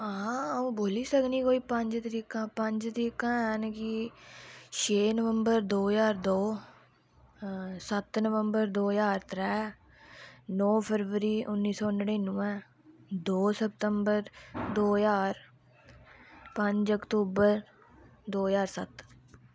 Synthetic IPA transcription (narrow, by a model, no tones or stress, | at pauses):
ãũːboːliːsəkniːkoːiːpəɲd͡ʒt̪əɾiːkãːpəɲd͡ʒt̪əɾiːkãːɛːnki | ʃʰeːnəʋəmbəɾd̪oːjaːɾd̪oː | sət̪nəʋəmbəɾd̪oːjaːɾt̪ɾɛː | nɔːpʰəɾʋəɾiːʔʊnːiːsɔːʊnɽeːnːũːɛ̃ː | d̪oːsəp̚t̪əmbəɾd̪oːjaːɾ | pə̃ɲd͡ʒəkt̪uːbəɾ | d̪oːjaːɾsət̪